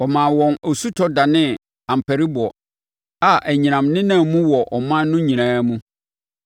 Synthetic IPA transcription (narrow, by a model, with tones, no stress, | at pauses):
ɔ˨mã˨wɔ̃˨no˨su˦tʰɔ˦da˨nɪ̃˦ | ã˨m̩˨pʰæ˨ɾi˦bʊ˨ɔ˨ | a˨ʔæ˨ɲĩ˨nã˨mnɪ̃˦nã˦˨mũ˦wɔ˨ʔɔ˨mã˦n˦nʊ̃˦ɲĩ˨ɾãː˨˦mũ˦